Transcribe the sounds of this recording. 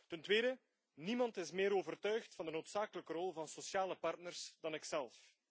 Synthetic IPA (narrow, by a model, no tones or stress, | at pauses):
təntweːdə | nimɑntɪsmɪːɾoːvərtœɥxtfɑndənoːtsaːkələkəɾɔlˠvɑnsosjaːləpɑrtnərsd̥ɑnɪksɛlˠf